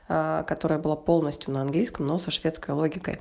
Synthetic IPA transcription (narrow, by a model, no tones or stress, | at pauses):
kɐt̪o̞ɾəjəbɨlˠapo̞lˠnəsʲtʲjʊnəɐnɡlʲijskəmnosɐʂvʲe̞t̪skəjlˠo̞ɡʲɪkə̰j